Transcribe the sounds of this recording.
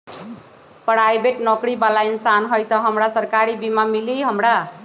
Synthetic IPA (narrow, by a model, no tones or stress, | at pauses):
pɽ̤ajbeʈnʌkɾibalainsanɦʌjt̪ʌɦʌmɾasʌɾkaɾibimamiliɦʌmɾa